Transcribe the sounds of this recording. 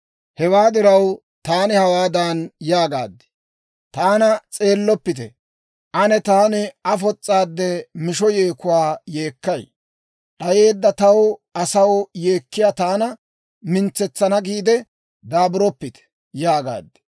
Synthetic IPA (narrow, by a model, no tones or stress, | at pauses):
hɛwaːd̪ɪɾɐw | t̪aːnɪhɐwaːd̪aːnjaːɡa̰ːd̪ːɪ̥ | t̪aːnɐt͡sʼe̞ːlːɔpːɪt̪ɛ̰ | ʔɐnɛt̪aːnɪɐfɔt͡sʼːaːd̪ːɛmɪʃ̬ɔje̞ːkʊwaːje̞ːkːɐj | ᶑɐje̞ːd̪ːɐt̪ɐwɐsɐwje̞ːkːɪjaːt̪aːnɐ | mɪnt͡sːɛt͡sːɐnɐɡiːd̪ɛ | d̪aːbʊɾɔpːɪt̪ɛ̥ | jaːɡa̰ːd̪ːɛ̥